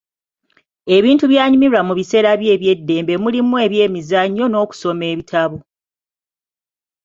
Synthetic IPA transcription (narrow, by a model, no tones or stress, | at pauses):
e̞βiːntuβjaːɲumiɾwamuβise̞ːɾaβje̞ːβje̞dːe̞ːmbe̞mulimue̞ːβje̞ːmizaɲːo̞no̞ːku̥so̞me̞ːβitʰaβo